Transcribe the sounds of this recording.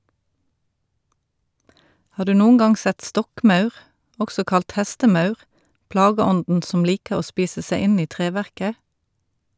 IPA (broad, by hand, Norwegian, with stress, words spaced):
ˈhɑːʁ ˈdʉː ˈnuːŋ̍ ˈɡɑŋ ˈsɛt ˈstɔkˌmœʉʁ ˈʔɔksɔ ˈkɑlt ˈhæstəˌmœʉʁ ˈplɑːɡəˌɔndn̩ ˈsɔm ˈliːkəʁ ˈoː ˈspiːsə ˈseɪ ˈɪn ˈiː ˈtʁeːʋæʁkə